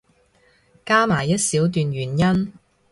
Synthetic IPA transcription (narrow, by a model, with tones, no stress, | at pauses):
kaː˥maː˨˩jːɐ˥t̚siː˨˥wt̪̬yː˨˧nɥyː˨˩njɐ˥n